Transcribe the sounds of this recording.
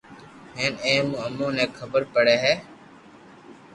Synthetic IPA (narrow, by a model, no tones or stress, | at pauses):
ɦeːnẽːməmõːnɛ̃ːkʰəbəɾpəɽeːɦɛː